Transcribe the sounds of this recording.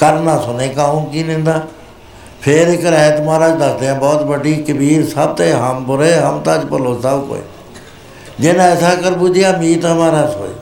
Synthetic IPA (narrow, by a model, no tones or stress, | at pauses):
kəɾnaːsʊneːkaɦũːkiːnẽːnd̪aː | pʰeːɾɪkəɾɛːd̪maːɾaːd͡ʒd̪asd̪eãːbɔːt̪bəɖiːkəbiːɾsəb̚t̪əɦəmpʊɾeːɦəmt̪ãːt͡ʃpəloːsəbko̰ːḛ | d͡ʒeːnãɛːsaːkəɾbʊd͡ʒijaːmiːt̪ɦəmaːɾãːso̰ːḛ